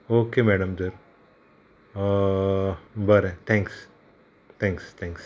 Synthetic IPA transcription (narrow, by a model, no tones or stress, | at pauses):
oːkemɛːɖəmd̪əɾ | bɐɾɛ̃t̪ʰɛ̃ːŋks | t̪ʰɛ̃ːŋkst̪ʰɛ̃ːŋks